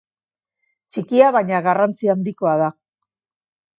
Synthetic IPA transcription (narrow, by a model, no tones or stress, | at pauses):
t͡ʃikiaβajɲaɣarant͡siand̪iko̞aða